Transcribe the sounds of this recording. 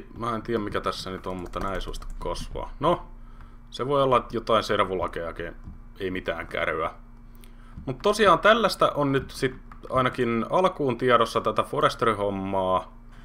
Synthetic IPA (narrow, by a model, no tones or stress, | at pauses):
mæːent̪iːjæmmikæt̪æsːænyt̪ommut̪ːɑnæːeˑisṵˑɑ̰st̪ɑ̥kkɑsʋɑ̰ːno | seʋoiolːɑjot̪ɑinserʋulɑkeɑke | eimit̪æ̰ːŋkæ̰røæ | mut̪t̪osiɑːnt̪ælːæst̪æʔonnyt̪sit̪ | ɑ̰inɑkinɑlkuːnt̪iɛɾosːɑt̪æt̪æforest̪orihomːɑː